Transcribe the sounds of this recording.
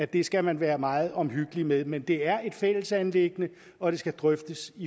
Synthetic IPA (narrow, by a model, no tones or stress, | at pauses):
æd̥e̝sɡ̥æmænʋæːɐmɑ̈ːð̞̩ˠɒ̽mɦyɡ̥əlimeðˠmend̥e̝æɐe̝d̥fel̰əsænle̝ɡ̥ənə | ɒ̽d̥e̝sɡ̥æd̥ʁœfd̥əsi